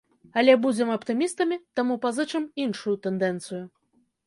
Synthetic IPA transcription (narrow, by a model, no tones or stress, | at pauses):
ɐlʲɛbud͡zʲɛmɐpt̪ɨmʲist̪ɐmʲit̪amupazɨt͡ʂɨminʂujut̪ɛnd̪ɛnt̪sɨju